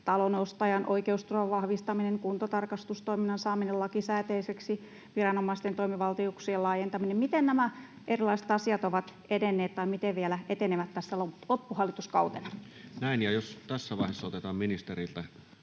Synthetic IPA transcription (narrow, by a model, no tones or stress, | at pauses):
t̪ɑlonost̪ɑjɑnʔoikeust̪urɑʋʋɑhʋist̪ɑmineŋkunt̪ot̪ɑrkɑst̪ust̪oiminːɑnsɑːminelɑkisæːt̪eiseksi | ʋirɑnomːˑɑist̪ent̪oimiʋɑlt̪iuksielɑːjent̪ɑminemmit̪ennæmæ | ʔerilˑɑisĕ̥t̪ɑsiɑt̪oʋɑt̪ | edenːeːt̪t̪ɑimit̪eʋʋielæʔet̪eneʋæt̪t̪ːæsːælolopːuhɑlːˑit̪uskɑut̪enɑ | næinjɑjost̪æsːæʋɑˑihesːɑot̪et̪ɑːmminist̪eɾilt̪æ